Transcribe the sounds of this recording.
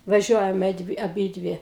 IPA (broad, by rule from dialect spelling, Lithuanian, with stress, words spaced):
ʋɐˈʒʲuɔjɛmʲɛ ˈdʲʋʲɪ ɐˈbʲiːdʲʋʲɪ